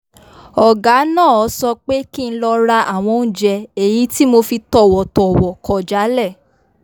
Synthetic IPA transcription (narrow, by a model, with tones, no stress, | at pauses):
ɔ˨ɡa˨˦nãː˦˨ɔ˨˦sɔ˧k͡pe˦ki˦ñ̩˧˦lɔ˧ɾa˧ʔa˨w̃ɔ̃˧n̩˦d͡ʒɛ˧e˨ji˨˦ti˦mo˧fi˧tɔ˦˨wɔ˨tɔ˨wɔ˨kɔ˨d͡ʒa˨˦lɛ˦˨